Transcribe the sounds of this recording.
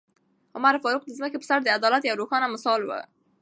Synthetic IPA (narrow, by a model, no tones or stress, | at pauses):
ʊmaɾfɑɾuq̚d̪əzməkepə̥saɾd̪əad̪ɑlat̪jawɾoxɑnamɪsɑlwə̰